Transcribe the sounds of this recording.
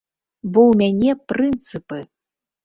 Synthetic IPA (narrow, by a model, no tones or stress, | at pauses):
bɔwmʲanʲɛpɾɨnt̪sɨpɨ